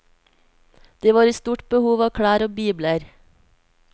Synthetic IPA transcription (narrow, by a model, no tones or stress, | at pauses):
d̪̥eːʋɑːɾiːst̪uːʈbəhuːʋɑːkʰɽæːɾɔbiːbləɾ